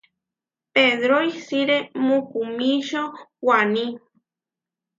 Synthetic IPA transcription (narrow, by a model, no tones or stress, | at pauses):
peðɾojsiɾemukumiʃowani